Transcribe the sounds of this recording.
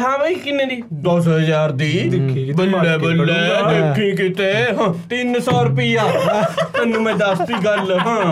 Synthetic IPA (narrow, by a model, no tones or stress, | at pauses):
ɦãːʋaiːkɪnẽːd̪iːd̪ɔːsɦəzaːɾd̪iːkʰːbəlːɛːbəlːed̪eːkʰːĩːkɪt̪eːɦãːt̪ɪnsɔːɾʊpiːaːmɛ̃ːnːũːmɛ̃ːd̪əst̪iːɡəlːɦãː